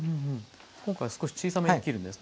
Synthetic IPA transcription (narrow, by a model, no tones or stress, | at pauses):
ɯ̃ɯ̃ɴ | kõ̞ŋkaisɨ̥koɕi̥t͡ɕiːsameekʲiɾɯ̟̃nd̪esɨn